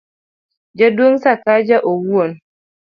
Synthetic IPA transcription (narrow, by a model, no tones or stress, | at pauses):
d͡ʒadoŋsakad͡ʒaʔowuon